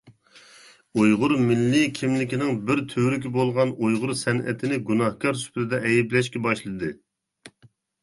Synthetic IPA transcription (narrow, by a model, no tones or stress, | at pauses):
ojʁʊɾmɪlːɪkʲʰimlɪkʲinɪŋbɪɾt̪ʰøɾykʲibolˠʁɑnojʁʊɾsɛnʔɛ̰t̪ʰɪnɪɡunɑhkʰɑɾsy̥plɪd̪ɛʔɛjiblɛʃkʲɛbɑʃlˠɨd̪ɨ